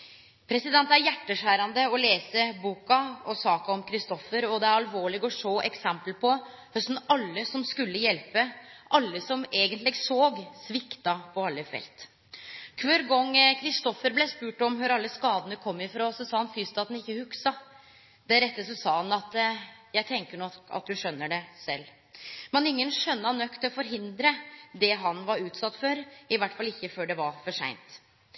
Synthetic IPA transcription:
pʰɾɛsɪd̪ɛnt̪æɾjæʈːəʂæːɾɑnd̪əɔleːsəbuːkɑɔsɑːkɑɔmkʰɾɪst̪ɔfəɾɔd̪ɛæɾɑlʋoːɭɪɡɔʂoːʔɛksɛmpəlpʰɔ | fɔsn̩ɑlːəsɔmskʉlːəjɛlpəʔɑlːəsɔmeːɡənt̪lɪɡsoːɡsʋɪkt̪ɑpʰɔɑlːəfɛ̰lt̪ | kʰʋøɾɡɔŋːkʰɾɪst̪ɔfəɾblɛːspʉːʈɔmɦøɾɑlːəskɑːd̪ənəkʰɔmːɪfɾɑːsɔsɑːhɑnfyːst̪ɑt̪nɪçːəhʉksɑ | d̪̥æɾɛt̪ːəsɔsɑːhɑnɑt̪jæɪt̪ʰɛŋkəɳɔkɑ̰t̪̚d̪ʉʂœnːəɖɛsɛ̰lː | mɛnɪŋːənʂœnːəɑnœkt̪ʰɪɔfɔɾɦɪnd̪ɾəd̪ɛɦɑnʋɑɾʉːt̪sɑt̪ːfɔɾɪʋæʈːfɑlːɪçːəføːɖɛʋɑɾfɔʂæ̰ɪnt̪

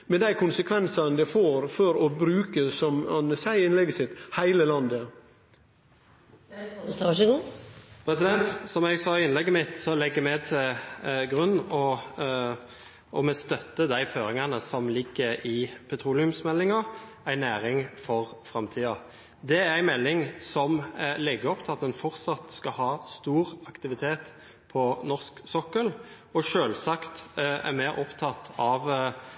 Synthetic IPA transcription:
mɛd̪æɪkʰʊnsəkʰʋɛnsɑnd̪ɛfoːɾfɔɾɔbɾʉːkəsɔmɑnəsæɪɪnlɛɡəsɪt̪ːhæɪləlɑnd̪ə | ʃɡuːpʰɾɛsɪd̪ɛnt̪sɔmæɡsɑːɪnlɛɡːəmɪt̪sɔlɛɡːəmɛt̪ʰɪlɡʁʉnːɔ | ʔɔmɛst̪œt̪ːəd̪æɪføːɾɪŋɑnəsɔmlɪɡːəɪpʰɛt̪ʰɾuːlɪʉmsmɛlːɪŋɑ | æɪnæːɾɪŋfɔʁfɾɑmt̪ʰiːɑ | d̪ɛæɾæɪmɛlːɪŋsɔmlɛɡəɔpt̪ʰɪlɑt̪d̪ɛnfɔʁt̪sɑt̪skɑhɑːst̪uːʁɑkt̪ɪʋɪt̪ʰeːt̪ | pʰɔnɔʁsksɔkːəl | ɔʃøːlsɑkt̪æ̰ɾmeːɾɔpt̪ʰɑt̪ːʰɑʋ

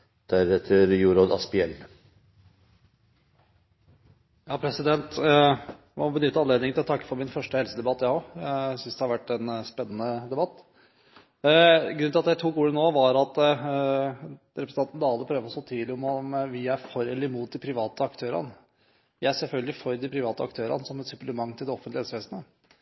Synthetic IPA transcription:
d̪̥æɾɛt̪ʰəɾjuːɾɔd̪ɑ̰spɪɛlː | jɑːpʰɾɛsɪd̪ɛnt̪ | mɔbənʏt̪ːəɑnleːd̪ɪŋt̪ɪlɔt̪ʰɑkːə̥fɔɾmɪnfœʂʈəhɛlsəd̪ɛbɑt̪ːjæoæsʏnsd̪ɛhɑɾʋæʈːɛnspɛnːənəd̪ɛbɑt̪ː | ɡɾʉnɪlɑt̪d̪æɪt̪ʰuːkuːlənoːʋɑɾɑt̪ | ɾɛpɾəsnɑnt̪nd̪ɑːld̪əpʰɾøːʋəɔsoːt̪ʰyːd̪lɪɔmɔmʋɪæɾfɔɾɛlːɪmuːt̪̚d̪ɪpʰɾɪʋɑːt̪əɑkt̪ʰøːɾɑ̰n | ʋɪæsɛlfœlɡəlɪfɔɾd̪ɪpʰɾɪʋɑːt̪əɑ̰kt̪ʰøːɾɑ̰nsɔmɛt̪sʉpləmɑŋːt̪ʰɪld̪ɛɔfənt̪lɪhɛlsəʋeːsnə

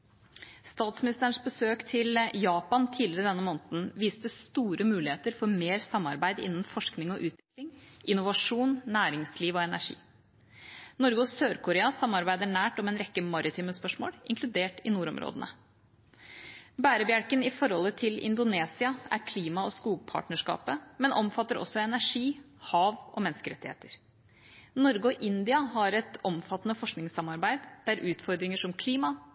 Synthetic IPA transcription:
st̪ɑːt̪smɪnɪst̪əɾəɳʂbəsøːkt̪ʰɪljɑːpɑnt̪ʰiːd̪lɪɾəd̪ɛnːəmoːnt̪n̩ʋiːst̪əst̪uːɾəmʉːlɪheːt̪əɾfɔɾmeːɾsɑmːɑɾbæɪd̪ɪ̰nːn̩fɔʂknɪŋɔʔʉːt̪ʋɪklɪŋʔɪnːʊʋɑʂuːnnæːɾɪŋsliːʋɔɛnæʂḭː | nɔɾɡəɔsøːɾkʊɾeːɑsɑmːɑɾbæɪd̪əɳæːʈɔmɛːnɾɛkːəmɑɾɪt̪ʰiːməspœʂmo̰ːɽɪ̰ŋklʉd̪eːʈɪnuːɾɔ̰mɾo̰ːd̪ənə̰ | bæːɾəbjæɽkənɪfɔɾhɔlːət̪ʰɪlɪ̰nd̪ʊneːsɪɑæ̰ɾkʰliːmɑɔskuːɡ̚pʰɑ̰ːʈɳəʂkɑ̰ːpəmɛnʔɔmfɑt̪ːəɾɔ̰sːɔɛnæʂiː | hɑːʋʔɔ̰mɛnskəɾɛt̪ːɪhḛːt̪əɾ | nɔɾɡəɔʔɪnd̪ɪɑɦɑɾɛt̪ɔmfɑt̪ːnəfɔʂknɪŋsɑmɑɾbæɪd̪d̪̥æɾʔʉːt̪fɔɾd̪ɾɪŋəʂɔmkʰliːmɑ

